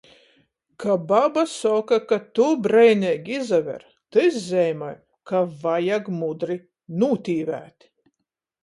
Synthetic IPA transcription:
kababasɔkakat̪ubɾɛjnɛɡʲizavʲɛ̰ɾ | t̪ɨszʲɛjmaj | kavajaɡmud̪ɾi | nuːt̪ʲiːvæ̰ːt̪ʲ

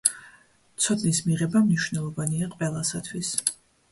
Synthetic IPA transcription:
t̪sʰɔd̪nismiʁɛbamniʃwnɛlˠɔvaniaqʼvɛlˠasat̪ʰwis

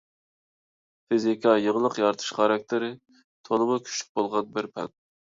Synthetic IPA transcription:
fizikʰɑjəʁlˠəqjɑɾt̪ʰɨ̥ʃχɑɾɑk̚ʲt̪ʰɪɾɪ | t̪ʰolˠɨmʊkʲʰy̥ʃy̥k̚bolˠʁɑnbɪɾpʰɛ̰n

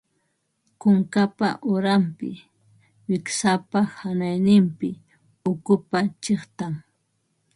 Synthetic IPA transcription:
kʊŋkapa̰ʔʊɾampɪ̰ | wɪksapahanajnɪmpɪ | ʊkʊpat͡ʃeχt̪aŋ

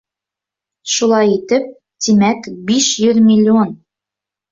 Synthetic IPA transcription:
ʃulˠɑjit̪ɘp̚ | t̪imækbiʃjɵðmʲɪlʲːion

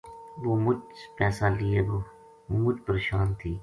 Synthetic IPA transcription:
ʋoːmʊd͡ʒpɛːsaːlɪeːboː | mʊd͡ʒpəɾeːʃaːnt̪ʰiː

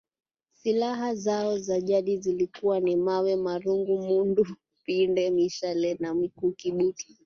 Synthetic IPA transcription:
silaɦazaɔzaʄaɗizilikuwanimawɛmaɾuŋɡumundu | pindɛmiʃalɛnamikuːkiɓuti̥

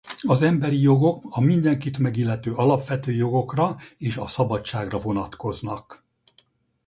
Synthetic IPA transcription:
ɒzɛmbɛɾijo̞ɡo̞kɒmind̪ɛŋkit̪mɛɡilːɛt̪øːʔɒlɒpʋɛt̪øːjo̞ɡo̞krɒeːʃɒsɒbɒt͡ʃaːɡrɒvo̞nɒt̪ko̞znɒk

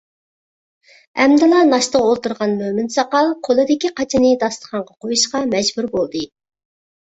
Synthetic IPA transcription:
ɛ̰md̪ɨlˠɑnɑʃt̪əʁolˠt̪uɾʁɑnmømɪnsɑqɑlˠqʰolˠɨd̪ɪkʲiqʰɑt͡ʃʰinɨd̪ɑst̪ˠə̥χɑɴʁɑqʰojuʃqɑmɛd͡ʒbuɾbolˠd̪ɨ

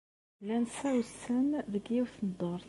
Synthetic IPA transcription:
lænsæwsənðəɡiwθnəd̪ˤoɾˤθ

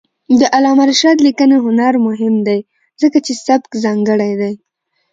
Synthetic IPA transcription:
d̪əʔalɑmaɾʃɑd̪likəneɦʊnaɾmʊɦɪmd̪aj | zəkat͡ʃesabkzɑŋɡəɽajd̪aj

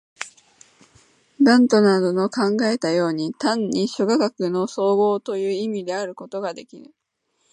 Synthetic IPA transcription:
bãnt̪o̞nad̪o̞no̞kãŋɡae̞t̪ajo̞ːɲ̟it̪ãɲ̟ːiɕoɡakakɯ̟no̞so̞ːɡo̞ːt̪o̞jɯ̟ːimʲid̪e̞aɾɯ̟ko̞t̪o̞ɡad̪e̞kʲiɾɯ̟

